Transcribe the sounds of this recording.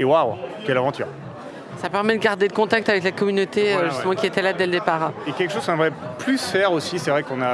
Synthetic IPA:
ewawkʲɛlavɑ̃t̪y̰ʁ | sapɛʁmɛd̪əɡaʁd̪ed̪əkɔ̃t̪ak̚t̪avɛklakɔmynot̪eøʒyst̪əmɑ̃kʲiet̪ɛlad̪ɛləd̪epaːʁekʲɛlkə̥ʃoz̥kɔ̃nɛmʁɛplysfɛʁosisɛvʁɛkɔ̃na

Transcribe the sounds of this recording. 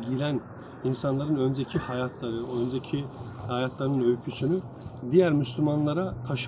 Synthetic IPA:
ɟiɾæn | insanlˠaɾɯnø̞nd͡ʒecʰihajat̪ʰlˠaɾɯønd͡ʒecʰihajat̪ʰlˠaɾɯnɯnøjcʰysyny | d̪ijæɾmyslʲymanlˠaɾakʰaʃ

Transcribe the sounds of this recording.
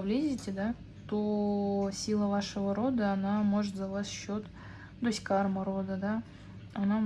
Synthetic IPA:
blʲezʲɪtʲɪd̪a | t̪osʲilˠəvaʂəvəɾod̪əɐnamoʐət̪zavasɕːot̪ | d̪osʲkɑrməɾod̪əd̪a | ɐna

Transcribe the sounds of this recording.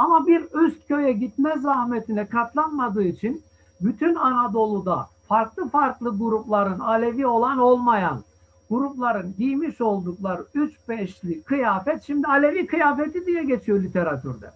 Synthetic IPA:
amabiɾyst̪̚cø̞jɛɟit̪mɛzɾahmet̪ʰinɛkʰat̪lˠanmad̪ɯːit͡ʃʰin | byt̪ʰynanad̪o̞lˠud̪a̰faɾklˠɯfaɾklˠɯɡuɾuplˠaɾɯnalʲe̞vio̞lˠano̞lˠmajan | ɡ̥uɾuplˠaɾɯnɟijmiʃo̞lˠd̪uklˠaɾɯyt͡ʃbɛʃlʲikʰɯjaːfɛt̪ʃimd̪ialʲe̞vikɯjaːfet̪ʰid̪ijɛɟe̞t͡ʃʰijo̞lʲit̪ʰe̞ɾat̪ʰy̰ɾd̪ɛ̰

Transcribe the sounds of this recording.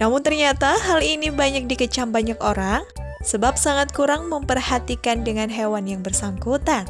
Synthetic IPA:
namʊnt̪ərɲat̪aɦalinibaɲak̚dikət͡ʃambaɲakoɾaŋ | səbap̚saŋat̪̚kuɾaŋməmpərhat̪ikandəŋanɦewanjaŋbərsaŋkut̪an

